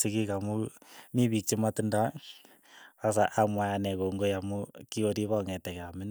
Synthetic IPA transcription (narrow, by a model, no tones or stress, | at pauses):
sikikamumiβik̚t͡ʃimatinda | as̬aʔamwaanɛkoŋɡojamukioɾiβɔŋɛtɛkamɪn